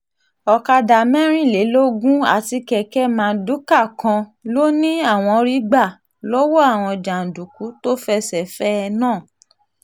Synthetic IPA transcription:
ɔ˨ka˧da˨mɛ̃˦ɾ̃ĩ˦˨le˨˦lo˦ɡũ˦a̰˦˨ti˧kɛ˧kɛ˦mãː˨˦˧du˨˦ka˦˨kã˧lo˦nĩ˦a˦˨w̃ɔ̃˧ɾi˦ɡ͡ba˦˨ | lo˦wɔ˦a˦˨w̃ɔ̃˧d͡ʒa˨n̩˨du˨ku˨˦to˦fɛ˦sɛ˨fɛ˦ɛ˧nãː˦˨

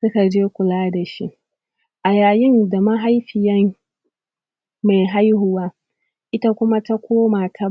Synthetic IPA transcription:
sʊ˦ka˨d͡ʒeː˦kʷʊ˨laː˦da˨ʃi˦ʔ | ʔa˨jaː˨jɪ˦nda˨ma˦ɦa˦jɸɪ˨jɐ˦m | ma˨jɦa˦jhʊ˨waː˦ | ʔɪ˦ta˦kʷʊ˦ma˦ta˦kʷoː˦maː˨tʰa˦

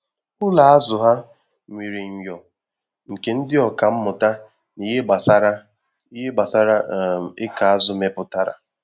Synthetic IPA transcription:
ʊ˦la˨a˦zʊ˨ɦa˦ | ŋʷi˨ɾe˨ŋ̩˨jɔ˨ | ŋ̩˨ke˨n̩˦dɪ˦ɔ˨ka˨m̩˦mʊ˨ta˦ | ni˨ɦe˦ɡ͡ba˨sa˦ɾa˦ | i˦ɦe˦ɡ͡ba˨sa˦ɾa˦˨ɪ˦ka˨a˦zʊ˨me˦pʊ˦ta˦ɾa̰˨

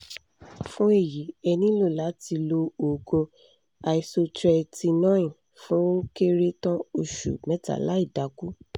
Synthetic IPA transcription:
fũ˦e˦˨ji˨˦ɛ˧nĩ˦lo˦˨la˨˦ti˧lo˧o˨ɡo˧ | a˧i˧so˧tɾɛ˧ti˧nã˦ĩ˨ | fũ˦ke˦ɾe˦tã˦o˧ʃṵ˨mɛ̃˨˦ta̰˨la˦i˦˨da˨˦ku˦

